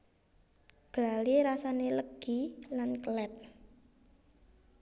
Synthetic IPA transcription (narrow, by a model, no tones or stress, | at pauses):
ɡ̥laliɾasaneləɡ̥ilankəlɛt̪̚